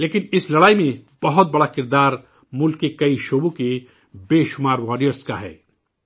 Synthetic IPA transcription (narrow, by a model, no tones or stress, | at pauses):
leːkɪnɪslɐɽaːimẽb̥ɐɦʊt̪̚bɐɽakɪɾd̪aːɾ | mʊlkːekɐiʃoːbõke | beːʃʊmaːɾʋaːɾijəɾska̰ɦɛ̰ː